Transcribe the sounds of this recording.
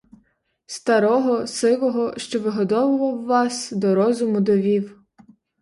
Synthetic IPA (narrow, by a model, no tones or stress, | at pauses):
st̪ɐɾɔɦɔsɪʋˠɔɦɔʃt͡ʃɔʋɪɦɔd̪ɔʋɪʋˠɐwːɑsd̪ɔɾɔzʊmʊd̪ɔʋʲiw